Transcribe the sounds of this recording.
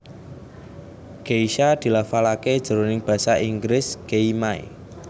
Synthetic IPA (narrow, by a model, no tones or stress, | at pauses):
ɡ̥eiʃad̪̥i̤lafalake̥ʒ̥ə̤ɾonɪŋb̥ä̤saʔiŋɡɾɪsɡ̥eimaj̰